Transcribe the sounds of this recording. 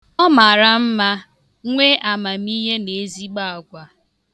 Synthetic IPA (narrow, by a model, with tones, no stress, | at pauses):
ɔ˦ma˨ɾa˨m̩˦ma˦ | ŋʷe˦ʔa˨ma˨m̩˦i˦ɦe˦ne˨˦zi˦ɡ͡ba˦a˨ɡʷa˨